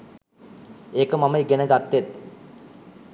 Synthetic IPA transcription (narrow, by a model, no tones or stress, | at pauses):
eːkəmaməjɡenəɡat̪ːet̪